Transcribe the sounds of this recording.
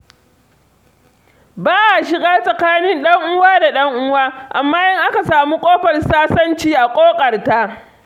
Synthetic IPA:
baː˦ʔa˨ʃɪ˨ɡaː˦sʼɐ˨kaː˦nɪ˦nɗɐ˦ŋʔʊ˦waː˦da˨ɗɐ˦ŋʔʊ˦waː˦ʔa˨mːaː˦jɐ˦ŋʔa˦ka˨saː˨mu˦kʷʼoː˦ɸɐ˨rsaː˦sɐ˦nt͡ʃiː˦ʔa˨kʷʼoː˦kʼɐ˨rta˦ʔ

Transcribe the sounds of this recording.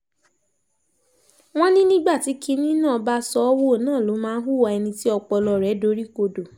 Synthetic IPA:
w̃ɔ̃˦nĩ˦nĩ˦ɡ͡ba˦˨ti˨˦ki˧nĩ˦nãː˦˨˦ba˦sɔ˧˦wo˦˨nãː˦˨lo˨˦mãː˦ɦu˦˨wa˧ɛ˧nĩ˧ti˦ɔ˧k͡pɔ˧lɔ˧˨ɾɛ˨˦do˦ɾi˦ko˧do˨

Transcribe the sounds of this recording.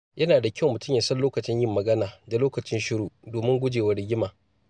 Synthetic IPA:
jʔɐ˦naː˨da˨kʲɐ˦wmʊ˨tʊ˦mja˨sɐ˦nloː˦kɐ˨t͡ʃɪ˦ɲjɪ˦mːɐ˨ɡɐ˦naː˨da˨loː˦kɐ˨t͡ʃɪ˦nʃɪ˦ɽuː˨doː˨mɪ˦ŋɡʷʊ˦d͡ʒeː˨wɐ˦ɽɪ˦ɡʲɪ˦maː˨

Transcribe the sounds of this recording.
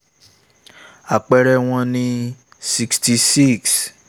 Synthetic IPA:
a˨k͡pɛ˧ɾɛ˧w̃ɔ̃˧nĩ˧ | si˧ksti˧si˦ks

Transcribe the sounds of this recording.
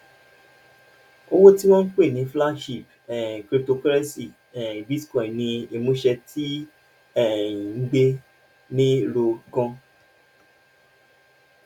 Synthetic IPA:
o˦wo˦ti˦w̃ɔ̃˦n̩˦k͡pe˦˨nĩ˨˦fla˦ʃi˦˨p | ɛ˨kɾi˦p̚to˧kɛ˦ɾɛ˦si˨ | ɛ˨bi˦skɔ̃˨i˨nĩ˧e˨mũ˦ʃɛ˧tʰi˦ | ɛ˦˨˦ɡ͡be˦ | nĩ˦ɾo˧ɡɔ̃˧

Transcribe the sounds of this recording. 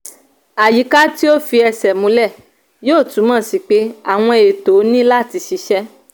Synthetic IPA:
a˨ji˨˦ka˦ti˦o˦fi˧ɛ˧sɛ˨mũ˨˦lɛ˦˨ | joː˦˨tũ˨˦mã˦˨si˨˦k͡pe˦a˨w̃ɔ̃˧e˨to˨˦nĩ˦la˦˨ti˧ʃi˧ʃɛ˦

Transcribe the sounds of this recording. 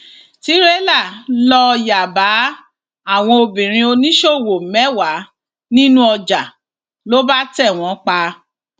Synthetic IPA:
ti˦ɾe˦la˦˨lɔ˧ja˨ba˨˦ | a˦˨w̃ɔ̃˧o˧bĩ˨ɾ̃ĩ˧o˧nĩ˦ʃo˦˨wo˨mɛ˨˦wa˨˦ | nĩ˦nũ˦ɔ˧d͡ʒa˨ | lo˦ba˦tɛ˦˨w̃ɔ̃˨˧˦k͡pa˧

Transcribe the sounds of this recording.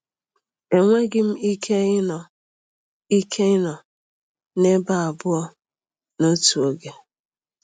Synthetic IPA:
e˨ŋʷe˦ɡɪ˦m̩˦i˦kʰe˦ɪ˦nɔ˨ | i˦kʰe˦ɪ˦nɔ˨ | ne˦ba˦a˨bʊ˦ɔ˦ | no˦tu˨o˦ɡe˨

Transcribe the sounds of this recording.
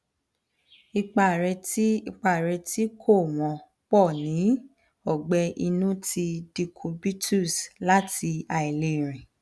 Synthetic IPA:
i˧k͡pa˨ɾɛ˧˦i˧k͡pa˨ɾɛ˧ti˦kʰo˦˨w̃ɔ̃˨ | k͡pɔ˦˨nĩ˨˦ | ɔ˦˨ɡ͡bɛ˧ʔi˧nũ˦ti˧di˧kʰo˧bi˦tʰu˦˨sla˦ti˧a˨i˨le˧˦˨ɾ̃ĩ˨

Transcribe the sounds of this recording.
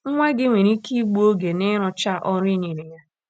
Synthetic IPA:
ŋ̩˦ŋʷɛ˦ɡɪ˦ŋʷe˨ɾi˦ki˦ɡ͡bu˦o˦ɡe˨nɪ˦ɾʊ˨t͡ʃa˦ʔɔ˦ɾi˦ni˨ɾe˨ja˦

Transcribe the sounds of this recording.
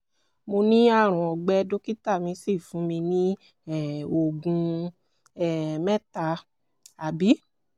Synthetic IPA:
mo˧nĩ˦a˦˨ɾ̃ɔ̃˨ɔ˨ɡ͡bɛ˧˦˧do˦ki˦ta˦˨mĩ˧si˦˨fũ˨˦mĩ˧nĩ˦ | ɛ˦˨o˧˨ɡũ˧ | ɛ˦˨mɛ˦ta˧ | a˨bi˨˦

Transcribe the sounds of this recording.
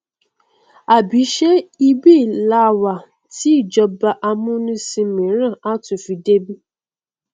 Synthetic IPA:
a˨bi˨˦ʃe˦i˦bi˦˨la˦˨wa˨ | ti˦i˦˨d͡ʒɔ˧ba˨ʔa˧mũ˦nũ˦si˧mĩ˨˦ɾ̃ã˦˨a˦tʊ˨fi˨de˦bi˦

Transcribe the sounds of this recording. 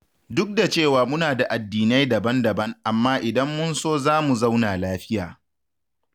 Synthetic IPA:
dʊ˦k̚da˨t͡ʃeː˦˨waː˨mʊ˦naː˨da˨ʔa˨dːiː˨na˦jdɐ˨bɐ˦ndɐ˨bɐ˦ŋʔa˨mːaː˦ʔɪ˨dɐ˦mːʊ˦nsoː˦zaː˦mu˨za˦wnaː˨laː˦ɸɪ˦jaː˨

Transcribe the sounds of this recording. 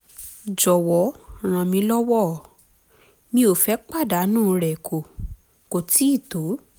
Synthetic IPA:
d͡ʒɔ˨wɔ˨˦ɾ̃ã˨mĩ˧lɔ˦wɔ˦˨ | mĩ˧o˨fɛ˨˦k͡pa˦˨da˨˦nũː˦˨˦ɾɛ˨kʰo˨ | ko˨ti˨˦i˦˨to˨˦

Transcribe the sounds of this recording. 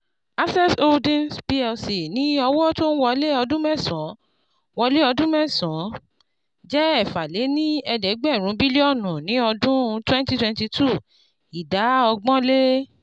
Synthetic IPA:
a˦sɛ˦to˦ldĩ˦nspi˦ɛ˧lsi˨nĩ˨˦ɔ˧wɔ˦to˦n̩˦wɔ˧le˦ɔ˧dũ˦mɛ̃˦˨sɔ̃˨˦ | wɔ˧le˦ɔ˧dũ˦mɛ̃˦˨sɔ̃˨˦ | d͡ʒɛ˦ɛ˦˨fa˨le˨˦nĩ˦ɛ˧dɛ˨˦ɡ͡bɛ˦˨ɾ̃ũ˨˦bi˦le˦ɔ˦˨nũ˨nĩ˨˦ɔ˧dũ˦˧twɛ̃˦n˦ti˦twɛ̃˦nti˧tʰu˦˨ | i˨da˨˦ɔ˧ɡ͡bɔ̃˦le˦

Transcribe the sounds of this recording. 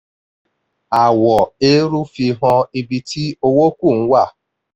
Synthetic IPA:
a˨wɔ˨e˦ɾu˦fi˧ɦɔ˧i˦bi˧ti˦o˦wo˦kʷu˦˨ŋ̩˦wa˦˨

